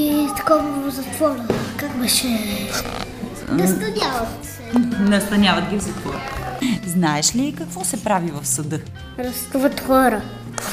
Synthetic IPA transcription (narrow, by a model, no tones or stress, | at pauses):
it̪ɐ̥kɔvəzɐt̪vɔvkakbəʃɛ | nɐst̪ɐnʲavɐt̪ | nɐst̪ɐnʲavɐt̪ɡʲifsit͡ʃkɔɡa̰znaɛʃlikɐkvɔsɛpɾavivɐfsɐd̪ɤ | ɾɐst̪uvət̪xɔɾə